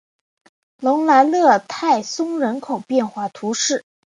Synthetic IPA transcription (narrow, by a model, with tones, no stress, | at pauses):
lʊ˧˥ŋla˧˥ɪlɤ˥˧t̪ʰa˥˩ɪsʊ˥ŋɻə˧˥nkʰo˨˩ʊpjɛ˥˧nxwa˥˩t̪ʰu˧˥ʂɻ̩˥˩